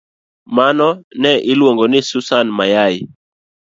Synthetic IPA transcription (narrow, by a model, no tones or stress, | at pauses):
manɔnɛʔɪlwoŋɡɔnɪsusanmajajɪ